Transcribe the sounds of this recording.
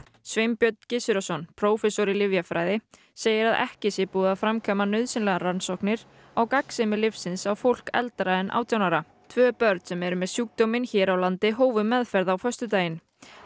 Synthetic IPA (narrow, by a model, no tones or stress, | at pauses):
svejmpjœt̪n̥cɪsɪɾɔsɔnpʰɾowfɛsoɾɪlɪvjafɾaːjðɪ | seːjɪɾaðɛ̰hcɪsɪpuːðafɾamkʰœːmanœɥðsɪnlɛɣaɾansɔhknɪɾ̥ | awkaksɛmɪlɪfsɪnsawfowl̥kɛ̰lt̪ɾaɛnʔa̰ːwt̪ʰjawnaɾa | t̪ʰvœːpœɾt̪sɛmɛɾʏmɛðsjuːk̚t̪omɪnçɛːɾawlant̪ɪɦoːwvʏmɛðfɛɾðawfœst̪ʏt̪aːjɪn